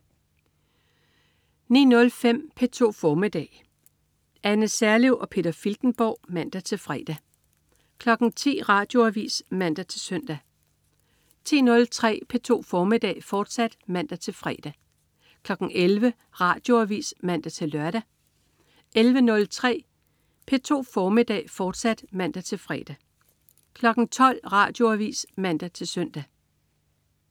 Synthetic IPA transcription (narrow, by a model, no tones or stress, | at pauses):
nḭːnɔ̽lfem̰pʰe̝t͡sʰo̝̰ːfɒːmid̥ɛ̰ː | ænəsæɐleʊʔɒ̽pʰe̝̰ːd̥ɐfild̥n̩b̥ɒ̰ʊ̰mæn̰d̥æt͡sʰe̝lfʁɛ̰ːd̥æ | kʰlɒ̽ɡ̥n̩t͡sʰḭːʁɑ̈ːd̥jo̝æʋḭːsmæn̰d̥æt͡sʰe̝sœn̰d̥æ | t͡sʰḭːnɔ̽lt͡sʰʁɛ̰ːpʰe̝t͡sʰo̝̰ːfɒːmid̥ɛ̰ːfɒːd̥sæd̥mæn̰d̥æt͡sʰe̝lfʁɛ̰ːd̥æ | kʰlɒ̽ɡ̥n̩ʔelʋə | ʁɑ̈ːd̥jo̝æʋḭːsmæn̰d̥æt͡sʰe̝lːɶɐɾ̥æ | ʔelʋənɔ̽lt͡sʰʁɛ̰ː | pʰe̝t͡sʰo̝̰ːfɒːmid̥ɛ̰ːfɒːd̥sæd̥mæn̰d̥æt͡sʰe̝lfʁɛ̰ːd̥ | kʰlɒ̽ɡ̥n̩t͡sʰɒ̽l̰ʁɑ̈ːd̥jo̝æʋḭːsmæn̰d̥æt͡sʰe̝lsœn̰d̥æ